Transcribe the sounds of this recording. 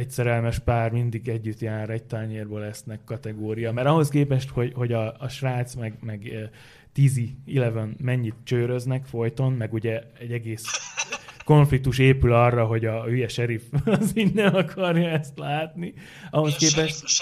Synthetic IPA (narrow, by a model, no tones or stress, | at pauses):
ɛcsɛɾɛlmɛʃpaːrmind̪iɡɛɟːyt̪jaːɾɛɟ̚t̪arɲeːrboːlɛsnɛkːɒt̪ɛɡoːɾijɒmɛɾɒɦo̞skeːpɛʃt̪ho̞ɟho̞ɟɒːʃraːt̪smɛɡmɛɡ | t̪iːziilɛvønmɛɲːit̪̚t͡ʃøːɾø̞znɛkfo̞jt̪o̞nmɛɡuɟɛɛɟɛɡeːs | ko̞ɱflik̚t̪uʃeːpylɒrːɒɦo̞ɟɒhyjɛʃɛɾifɒzid̪nːɛnɒkʰɒrjɒɛst̪laːt̪ni | ɒɦo̞skeːpɛʃt̪